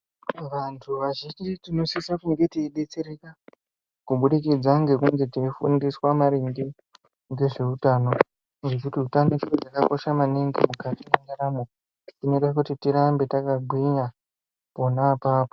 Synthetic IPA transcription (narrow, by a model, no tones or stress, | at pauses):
ʋantʰuʋaʒind͡ʒitino̞sisakuŋɡe̞tiiɗe̞t͡se̞ɾeka | kuɓuɗikid͡zaŋɡe̞kuŋɡe̞teifṵndiswamaɾiŋɡe | ŋɡe̞ʐe̞utaːno̞ | ŋɡekutiutanot͡ʃirod͡zakako̞ʃamaniŋɡḭmukatineŋaɾamo | tino̞ɗakutitiɾambe̞takaɡʱwina | po̞napaːpo